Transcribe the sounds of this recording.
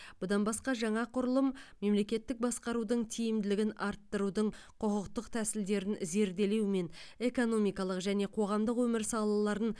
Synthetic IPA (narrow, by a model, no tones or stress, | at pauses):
b̥ʊd̪ɑnbɑsqɑʒɑɴɑqʰʊɾəlˠəmː | e̞mle̞kʲe̞t̪ːɪk̚bɑsqɑɾud̪əɴt̪ʰijɪmd̪ɪlɪɡʲɪnɑɾt̪ːəɾud̪əɴ | qʰʊqəqt̪əqt̪ʰæsɪld̪e̞ɾɪnze̞ɾd̪e̞le̞wme̞ne̞ko̞no̞mijkɑlˠəqʒæne̞qʰo̞ʁɑmd̪əqwɵmɪɾsɑlˠɑlˠɑɾən